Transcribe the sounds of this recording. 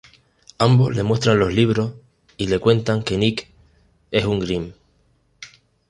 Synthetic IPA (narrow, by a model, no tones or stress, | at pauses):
ambo̞zle̞mwe̞st̪ɾanlo̞ɦliβ̞ɾo̞h | ile̞kwe̞nt̪aŋke̞nik | e̞suŋɡɾim